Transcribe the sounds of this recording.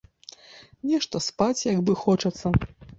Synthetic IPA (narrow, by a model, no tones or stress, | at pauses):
nʲɛʂt̪ɐspat͡sʲjaɡbɨxɔt͡ʂɐt̪sːɐ